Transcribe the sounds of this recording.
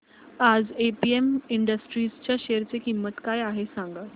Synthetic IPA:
ad͡zepiemiɳɖəsʈɾiːst͡ɕjaɕeɾt͡sekimːət̪kajaɦesãŋɡa

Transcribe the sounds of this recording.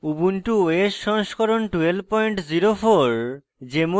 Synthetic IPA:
ubunʈuoeʃɔŋʃkɔɾonʈuel̚pɔjɳʈziɾofoɾ | d͡ʑemo

